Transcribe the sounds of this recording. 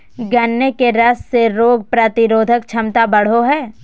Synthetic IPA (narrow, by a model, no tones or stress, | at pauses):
ɡɐnːekeɾɐsseɾoːɡ̚pɾət̪ɪɾoːd̪ʱəkt͡ʃʰɐmt̪abɐɽ̤oɦɛː